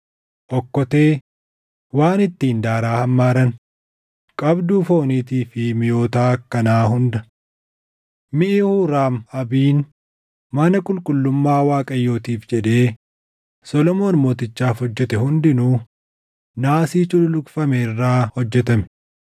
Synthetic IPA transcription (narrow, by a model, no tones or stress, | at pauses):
ʔɔkːɔt̪e̞ː | waːnɪt̪ːiːnd̪aːɾaːhɐmːaːɾɐn | kʼɐbd̪uːfo̞ːniːt̪iːfɪmɪjo̞ːt̪aːkːɐnaːɦʊnd̪ɐ | mɪʔɪhuːɾaːmɐbiːn | mɐnɐkʼʊlkʼʊlːʊmːaːwaːkʼɐjːo̞ːt̪iːfd͡ʒɛᶑe̞ː | sɔlɔmo̞ːnmo̞ːt̪ɪt͡ʃːaːfhɔd͡ʒːɛt̪ɛhʊnd̪ɪnu | naːsiːt͡ʃʊlʊlʊkʼfɐmerːaːhɔd͡ʒːɛt̪ɐmɛ̥